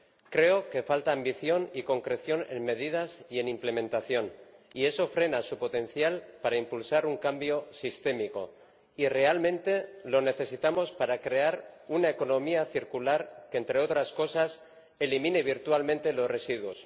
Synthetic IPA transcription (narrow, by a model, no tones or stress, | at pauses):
kɾe̞o̞ke̞falt̪aːmbiθjo̞niko̞ŋkɾe̞θjo̞ne̞̰nme̞ð̞ið̞asie̞nimple̞mẽnt̪aθjo̞nie̞so̞fɾe̞nasupo̞t̪e̞n̟θjalpaɾaimpulsaɾuŋkambjo̞sist̪e̞miko̞̰ | ire̞almẽ̞nt̪e̞lo̞ne̞θe̞sit̪amo̞spaɾakɾe̞aɾunaeko̞nõ̞miaθiɾkulaɾkeːnt̪ɾe̞o̞t̪ɾasko̞sas | e̞limĩne̞β̞iɾt̪walmẽnt̪e̞lo̞zre̞siðwos